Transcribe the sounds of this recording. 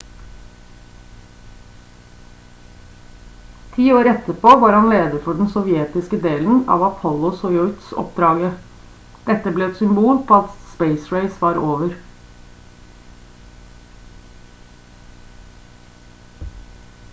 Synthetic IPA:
t̪ʰiːoːɾɛt̪əpʰoːʋɑːɾhɑnleːd̪əfɔɖn̩sɔʋjeːt̪ɪskəd̪eːln̩ɑ̰ːʋɑpʰɔlʊsɔɪɔʏt̪sɔ̰pd̪ɾɑːɡə | d̪̥ɛt̪ːəblɛːɛt̪sʏmbuːlpʰoːɑt̪speɪsɹeɪsʋɑːɾoːʋəɾ

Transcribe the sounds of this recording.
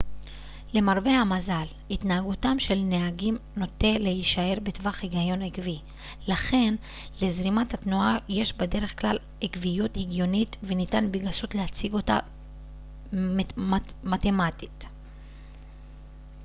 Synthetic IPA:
le̞maʁbe̞hamazal | itnaaɡutamʃe̞lneaɡimno̞te̞lehiʃae̞ʁbetvaχhiɡajo̞nekvi | laχe̞n | le̞zʁimathatnuaje̞ʃbede̞ʁe̞χklal | ekvijuthiɡjo̞nitvenitanbiɡasutlehat͡siɡo̞ta̰ | matemati̥t

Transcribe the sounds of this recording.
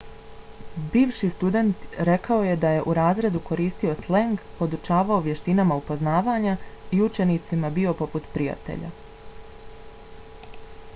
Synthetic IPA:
biːʋʃist̪ud̪e̞nt̪ɾe̞kaoje̞d̪aje̞ʔuɾaːzɾe̞d̪uko̞ɾiːst̪io̞sleŋɡpo̞d̪ut͡ʃaːʋao̞ʋje̞ʃt̪inamaupo̞znaːʋaːɲaiut͡ʃe̞nit̪simabio̞po̞put̪pɾija̰t̪ḛʎa̰

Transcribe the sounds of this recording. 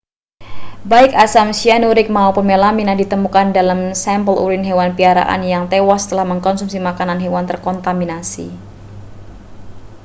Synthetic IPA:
baɪkasamsianuɾɪk̚maupənmelaminadit̪əmukandalamsɛmpəlʔṵɾɪnɦewanpiaɾa̰ʔa̰njaŋt̪ewast̪əlahməŋkɔnsumsimakananɦewant̪ərkɔnt̪aminasḭ

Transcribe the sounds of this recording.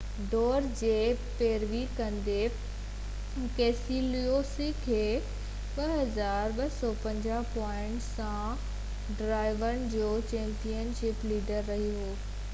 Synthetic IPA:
ɖɔːɾd͡ʑeːpeːɾʋikɐ̃nd̪e | keːsilijosikʰeː | ɓɐɦɐzaːɾɓɐsɔpɐ̃ɲd͡ʑapɔːɪ̃ɳʈsã | ɖɾaːɪʋəɽ̃d͡ʑoːt͡ɕɛ̃ːmpijənʃɪpliːɖəɾːɐɦiɦoː

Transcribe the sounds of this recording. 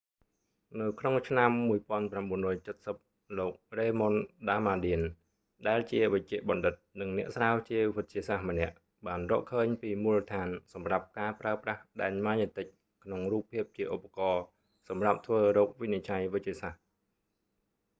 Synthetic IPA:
nɨwkʰnoŋt͡ɕʰnamːuəjpŏənpramɓuənrɔːjt͡ɕət̪̚səp̚ | loːk̚reːmonɗaːmaːɗiən | ɗaɛlt͡ɕiəʋəc̚t͡ɕɛ̆əʔɓɑnɗɨt̪̚nɨŋnɛ̆əʔsraəwt͡ɕiəʋɨc̚t͡ɕiəsahmə̆nɛ̆əʔ | ɓaːnrɔ̰ːʔkʰəːɲpiːmulət̪ʰaːnsɑmrap̚kaːpraəprahɗaɛɲmaːɲət̪ɨc̚ | kʰnoŋruːpʰːiəp̚t͡ɕiəʔopːakɑː | sɑmrap̚t̪ʰʋəːɾɔːk̚ʋinit͡ɕajʋɨc̚t͡ɕiəsah

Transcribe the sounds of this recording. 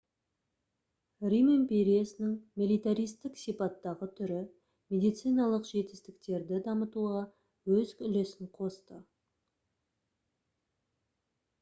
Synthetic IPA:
rimempʲeɾijasnɪŋmʲilˠijt̪aɾijst̪ɪksipɑt̪ːɑʁət̪ʰʏɾɪ | mʲe̞d̪ijt̪sɨjnɑlˠəqʒe̞t̪ɪ̥st̪ɪk̚t̪e̞ɾd̪ɪd̪ɑmət̪uʁɑ | wɵzʏle̞sɪŋqʰo̞st̪ə

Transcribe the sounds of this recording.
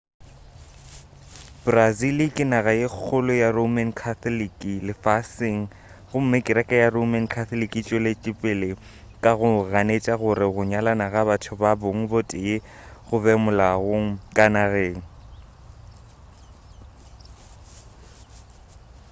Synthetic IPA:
b̥razilikʼɪnaɣajɪk͡xʰʊlʊjaromankʰaθɔlikʼilɪfasɪŋ̩ | ɣʊm̩mɪkʼɪɾɛkʼajaromankʰaθɔlikʼit͡ʃʼɔlet͡ʃʼɪpʼɪlɪ | kʼaɣʊɣanet͡ʃʼaɣʊɾɪɣʊɲalanaɣabatʰʊbabʊŋ̩botʼɪjɪ | ɣʊbɛmʊlaɣoŋ̩kʼanaɣeːŋ̩

